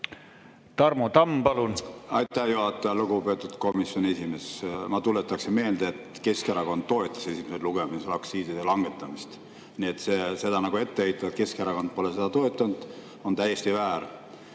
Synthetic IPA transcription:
t̪ɑrmot̪ɑmpɑlunɑjt̪ːˑæhjuhɑt̪ːˑeɑluɡupe̞ːt̪ːˑud̪̥ko̞misjo̞nʲe̞sime̞smɑt̪ulːet̪ːˑɑksinme̞ːld̪eet̪ke̞skeɾɑko̞nd̪̥̚ːo̞et̪ːˑɑ̥sesimeset̪luɡ̥eminslɑksiːd̪id̪elɑŋɡ̥e̞t̪ːˑɑmist̪ | niet̪se̞se̞d̪ɑnɑɡue̞t̪ːeejt̪ːˑɑet̪ke̞skeɾɑko̞nd̪̚po̞lese̞d̪̥ɑt̪o̞et̪ːˑɑnd̪̥ | o̞nt̪æjest̪ivæːɾ

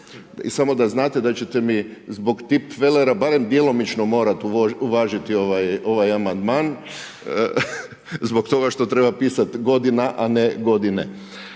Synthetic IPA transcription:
ḭsamo̞d̪aznaːt̪e̞d̪at͡ɕe̞t̪e̞mizbo̞ɡt̪ipʋe̞le̞ɾabaɾe̞md̪je̞lˠo̞mit͡ʃno̞mo̞ːɾat̪uuʋaːʒit̪io̞ʋajo̞ʋajamand̪maːn | zbo̞kt̪o̞ɡaʃt̪o̞t̪ɾe̞bapiːsat̪ɡo̞d̪inaʔaneɡo̞d̪inḛ

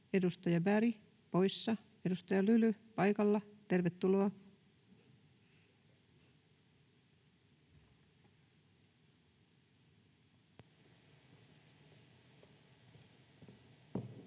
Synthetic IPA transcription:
e̞dust̪ɑjɑbæɾi | po̞jsːɑ | e̞dust̪ɑjɑlylypɑjkɑlːɑt̪e̞rʋet̪ːuloɑ

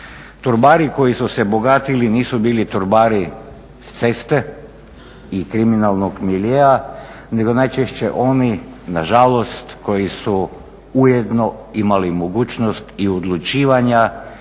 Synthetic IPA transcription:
t̪uɾbaːɾiko̞jisuse̞bo̞ɡaːt̪iliniːsubiːlit̪uɾbaːɾi | st̪se̞st̪e | ikɾiminalˠnoɡmiljea | ne̞ɡo̞najt͡ʃeʃt͡ɕe̞̰ʔo̞ninaʒalo̞st̪ko̞jisu | ujed̪no̞imalimoɡuːt͡ɕno̞st̪iod̪lˠut͡ʃiːʋaɲa

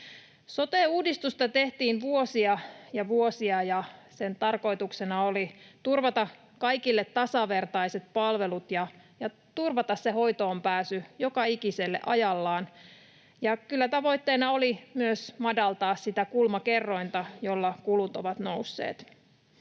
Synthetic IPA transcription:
sot̪euːdist̪ust̪ɑt̪e̞ht̪iːnʋuosiɑjɑʋuosiɑjɑsent̪ɑrko̞it̪uksenɑolit̪urʋɑt̪ɑ | kɑikilːet̪tːɑsɑʋe̞rt̪ɑiset̪̚pɑlʋelut̪jɑ | jɑ | t̪urʋɑt̪ɑsseho̞jt̪oːmpæːsyjo̞kɑikiselːḛʔɑ̰jɑlːɑːn | jɑkylːæt̪ɑʋo̞jt̪ːeːnɑolimyøsmɑdɑlt̪ɑːssit̪ækulmɑke̞rːo̞int̪ɑjolːɑkulut̪oʋɑt̪nowsːḛːt̪

